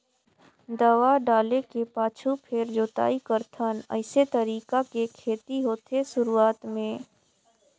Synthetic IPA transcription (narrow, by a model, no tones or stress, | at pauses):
d̪əwaɖaːlekepaːt͡ʃʰupʰeɾd͡ʒoːt̪a̰ːikəɾt̪ʰənə̰ɪset̪əɾiːkakekʰeːt̪iɦoːt̪eʃʊɾuaːt̪mẽː